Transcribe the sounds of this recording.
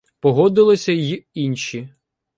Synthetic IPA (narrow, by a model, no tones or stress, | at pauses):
pɔɦɔd̪ɪlˠɪsʲɐjiinʲʃi